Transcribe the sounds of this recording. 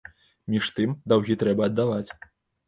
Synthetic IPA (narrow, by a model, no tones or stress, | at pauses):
mʲiʂt̪ɨmd̪awɣʲit̪ɾɛbɐːd̪ːavat͡sʲ